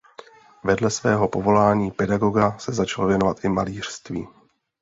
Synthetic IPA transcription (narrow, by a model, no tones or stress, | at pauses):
vɛdlɛsvɛːɦo̞po̞vo̞laːɲiːpɛdaɡo̞ɡasɛzat͡ʃalovjɛnovat̪ʔɪma̰liːr̥st̪vḭː